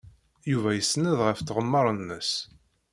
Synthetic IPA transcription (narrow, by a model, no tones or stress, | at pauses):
juvæjəsːnəðʁəfθʁəmːəɾˤənːəs